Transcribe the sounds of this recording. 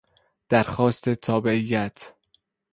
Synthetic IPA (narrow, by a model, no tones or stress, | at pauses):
d̪̥æɾxɒːst̪ʰe̞t̪ʰɒːbe̞ʔijːæt̪ʰ